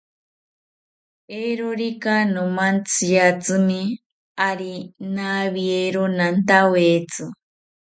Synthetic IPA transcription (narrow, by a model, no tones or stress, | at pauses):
eɾoɾikanumant͡sʰijat͡sɨmi | aɾinaβieɾonant̪awet͡sɨ